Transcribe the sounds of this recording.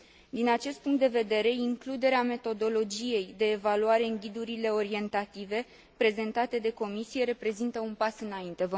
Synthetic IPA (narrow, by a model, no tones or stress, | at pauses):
d̪inat͡ʃe̞st̪̚puŋkt̪d̪e̞ve̞d̪e̞ɾe̞iŋklud̪e̞ɾeame̞t̪o̞d̪o̞lo̞d͡ʒije̞jd̪e̞ːvaluaɾe̞ɨŋɡʲid̪uɾile̞o̞ɾie̞nt̪at̪ive̞ | pɾe̞ze̞nt̪at̪e̞d̪e̞ko̞misije̞ɾe̞pɾe̞zint̪əunpasɨnaint̪e̞və